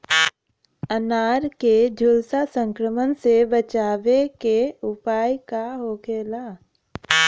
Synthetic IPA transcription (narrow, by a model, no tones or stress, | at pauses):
ənaːɾked͡ʒʱʊlsasə̃ŋkɾəmənsebət͡ʃaːʋekeʊpaːjkaɦoːkʰeːlaː